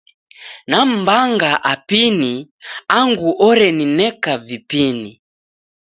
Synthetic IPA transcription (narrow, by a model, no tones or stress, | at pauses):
nam̩baŋɡaʔapiniaŋɡuʔɔɾɛninɛkavipini